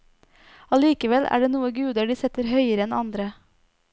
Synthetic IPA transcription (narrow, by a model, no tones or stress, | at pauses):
ɑliːkəʋɛlʔæ̰ːɖeːnuːəɡʉːd̪əɖiːsɛt̪əɾhœʏəɾəɛnɑ̰nd̪ɾə